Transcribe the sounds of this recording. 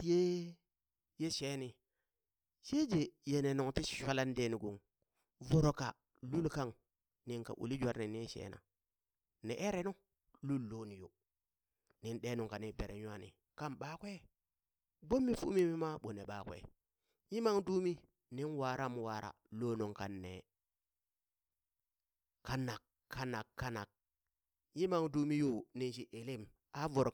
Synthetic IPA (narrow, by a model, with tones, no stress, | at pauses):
ti˨je˦ | je˦ʃe˦ni˨ | ʃe˦d͡ʒe˨je˨ne˨no˨ŋti˦si̥˨ʃʷa˦la˦n˦de˦ni˨ɡu˨ŋ | vo˨ɾo˨ka̰˨ | lu˦lka˦ŋ | ni˨ŋka̰˨ʔṵ˨li˦d͡ʒʷa˦ɾni˨ni˦nʃḛ˦na̰˨ | nḛ˨ʔe˦ɾe˦nu˦ | lu˦lːo˦ni˨jo˨ | ni˨nɗe˦nu˨ŋka˨ni˨be˨ɾḛ˨ɲu˦a˨nḭ˨ | ka˦mɓa˦kʷe˦ | bo˦mːi˦fṵ˦mi˦mi˦ma˦ɓo˨ne˨ɓa˨kwḛ˨ | ji˦ma˦ŋdu˦mi˦ | ni˦nwa˨ɾa˦m˨wa˨ɾa̰˨lo˦nu˨ŋka˨nːe˨ | ka˦nːa˨k | kʰːa˦na˨kːa˦na˨k̚ | ji˦ma˦˨ŋdu˦mi˦ju˦ni˦nʃi˦ʔe˨li˦m | a˦vo˨ɾ